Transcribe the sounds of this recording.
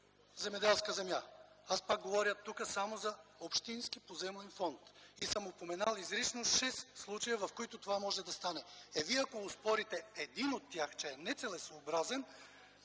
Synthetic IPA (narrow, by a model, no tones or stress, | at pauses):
zɛmɛd̪ɛlˠskəzɛmja | aspak̚ɡovɔɾjət̪ːukəsamozɐopʃt̪insk̟ipozɛmlɛnfɔnt̪isəmopomɛnalˠizɾisnoʃɛsːlˠut͡ʃɐjəvɐfkoit̪ot̪ovamɔʒɛd̪ɐst̪anɛɛviɐkoʊspɔɾit̪ɛɛd̪inot̪ːjaxt͡ʃɛɛnɛt̪sɛlɛsoːbɾazɛn